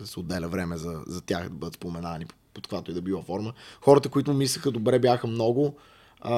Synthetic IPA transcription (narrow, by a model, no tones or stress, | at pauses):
sod̪ːɛlʲəvɾɛmɛzɐzɐt̪ʲaxd̪ɐbɤd̪ət̪spomɛnani | pot̪̚kvat̪oid̪ɐbivˠɐfɔɾməxɔɾət̪əkʊit̪ʊmumisləxəd̪obɾɛbʲjaxəmnɔɡʊ